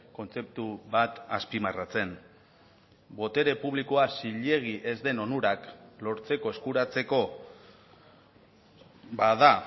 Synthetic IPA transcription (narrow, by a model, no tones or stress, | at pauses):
ko̞nt͡se̞p̚t̪uβat̪aspimarat͡se̞n | bo̞t̪e̞ɾe̞puβ̞liko̞asiʎe̞ɣ̞iʔe̞zd̪e̞no̞nuɾaklo̞ɾt͡se̞ko̞e̞skuɾat͡se̞ko̞ | baða